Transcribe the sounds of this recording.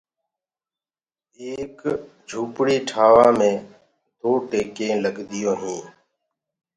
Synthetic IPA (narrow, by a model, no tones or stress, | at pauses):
eːkd͡ʒʱuːpɽiːʈʰaːʋãːmẽː | d̪oːʈeːkẽːləɡd̪ɪjoːɦĩː